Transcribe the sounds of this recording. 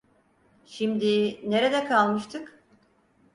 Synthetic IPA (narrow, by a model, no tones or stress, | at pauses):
ʃimd̪ine̞ɾed̪ɛkʰalˠmɯʃt̪ʰɯk